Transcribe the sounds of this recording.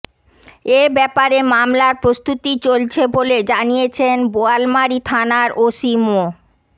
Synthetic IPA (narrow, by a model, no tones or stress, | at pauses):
ebɛpaɾemamlaɾpɾost̪ut̪it͡ɕolt͡ɕʰeboled͡ʑanijet͡ɕʰenboalmaɾit̪ʰanaɾʔoʃimo